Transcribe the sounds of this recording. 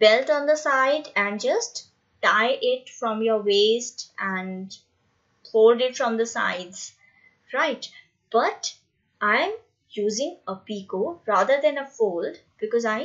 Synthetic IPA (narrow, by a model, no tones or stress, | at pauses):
b̥ɛlʈɔ̃nd̪əsaɪɖæ̃ɳɖd͡ʒʌsʈ | ʈaɪʔɪʈfɾɔ̃mjəɾweːsʈæ̃ɳ | hoːlɖɪʈfɾɔ̃md̪əsa̰ɪɖz̥ | ɾaɪʈ | b̥ʌʈ | ʔãɪ̃m | juːzɪ̃ŋəpiːkoɾaːd̪əɾd̪ɛ̃nəfoːlɖ | b̥ɪkɔzaɪ